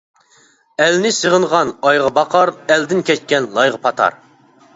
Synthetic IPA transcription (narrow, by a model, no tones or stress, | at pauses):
ɛlnɪsəʁəɴʁɑnɑjʁɑbɑqʰɑɾɛld̪ɪnkʲʰɛt͡ʃkʲɛnlˠɑjʁɑpʰɑt̪ʰɑ̰ɾ